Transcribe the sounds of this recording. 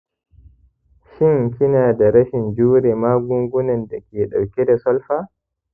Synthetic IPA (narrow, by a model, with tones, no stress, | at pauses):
ʃɪ˦ŋkʲɪ˦naː˨da˨ɾɐ˦ʃɪ˨nd͡ʒuː˦ɾɛ˨maː˦ɡʊ˦ŋɡʷʊ˦nɔ˨nda˨kʲeː˨ɗa˨wkʲɛ˦da˨sɔ˦lɸaː˦